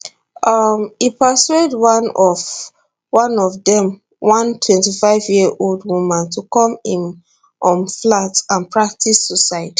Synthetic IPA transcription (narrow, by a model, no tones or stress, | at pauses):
ʔʌmipəswedwanɔv | wɔ̃nɔvdɛ̃m | wɔ̃ntʰwɛ̃ntifaɪvjiəʔoldwumãntukɔ̃mĩm | ʔɔ̃nflatãnpɹak̚tʰisːusaɪti̥